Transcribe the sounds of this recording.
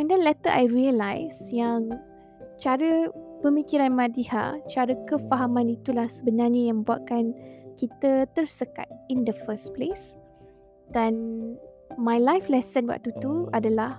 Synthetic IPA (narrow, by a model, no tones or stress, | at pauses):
ɛ̃ndɛnlɛt̪əʔajɹiəlajsjaŋ | t͡ʃaɾəbəmikiɾanmãdiha̰t͡ʃaɾəkəfaɦamãnit̪ulahsəbənarɲəjãŋmə̃mbua̰t̪̚kankit̪ət̪ərsəka̰t̪̚indəfəsples | d̥an | mãjlajflɛsənwa̰ʔ̚t̪ut̪uadalah